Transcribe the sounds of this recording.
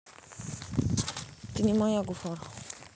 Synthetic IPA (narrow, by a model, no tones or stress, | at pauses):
tinimɔ̃jaɡufɔɾɔ